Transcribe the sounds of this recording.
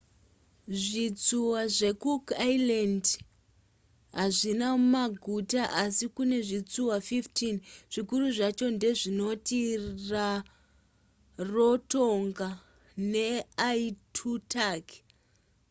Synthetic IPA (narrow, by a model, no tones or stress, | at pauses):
ʐit͡suwaʐe̞kukailand | ɦaʐinamumaɡʱutaʔasikune̞ʐit͡suwafiftinʐ̥ikuruʐat͡ʃo̞nde̞ʐino̞tira | ro̞toŋɡa | ne̞aitʰutʰak